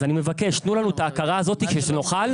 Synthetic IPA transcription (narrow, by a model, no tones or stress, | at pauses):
zanime̞vake̞ʃt̪nulanuet̪aːkaʁaːzo̞t̪ikʃeʃeno̞χal